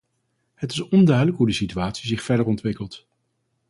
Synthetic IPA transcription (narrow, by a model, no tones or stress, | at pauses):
hətɪsɔndœɥdələkɦudəsityaːtsizɪχfɛɹdəɹɔntʋɪkəlˠt